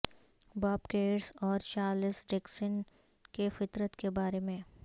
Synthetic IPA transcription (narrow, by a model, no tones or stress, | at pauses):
baːpkeːɾsɔːɾt͡ʃaːɾlɪsɖeksən | kefɪt̪ɾət̪kebaːɾemẽː